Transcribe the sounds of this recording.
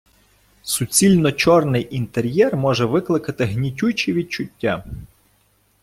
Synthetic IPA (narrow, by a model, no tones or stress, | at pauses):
sʊt͡sʲilʲnɔt͡ʃɔrnɪjʔint̪eɾʲjɛrmɔʒɛʋɪklˠɪkɐt̪ɪɦnʲitʲut͡ʃiʋʲid̪̚t͡ʃʊtʲːa